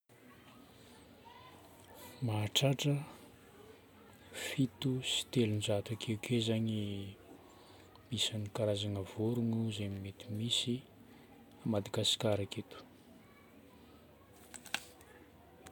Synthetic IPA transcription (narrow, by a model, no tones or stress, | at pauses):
maɦːʈ͡ʂaʈ͡ʂə | fit̪usi̥t̪elunzat̪akʰeukʰezaɲi | b̥isanikaɾazanəvoɾunuzemimet̪imisi | amad̪aɡasi̥kaɾaket̪u̥